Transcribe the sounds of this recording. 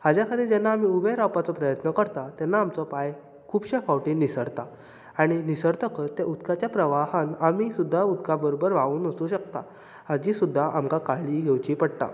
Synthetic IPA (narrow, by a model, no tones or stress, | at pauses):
had͡ʑjakʰad̪iːd͡ʑɛnːaːm̤iubʱeɾawpat͡sɔpɾəjət̪nəkəɾt̪at̪ɛnːaːmt͡sɔpaj | kʰuːbɕɛfawʈinisəɾt̪a | aɽ̃inisəɾt̪əkət̪ːeʔud̪kat͡ɕjapɾəʋaɦanamisud̪ʱːaud̪kabəɾobəɾʋauːnəsuɕək̚t̪a̰ | had͡ʑisud̪ʱːaʔamkakaɭiɡʱewt͡ɕiːpəɽt̪a̰